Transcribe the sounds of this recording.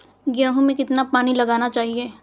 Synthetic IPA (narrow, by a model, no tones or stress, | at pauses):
ɡjaːɦũmẽkɪt̪napaːnilɐɡaːnat͡ʃaːɦieː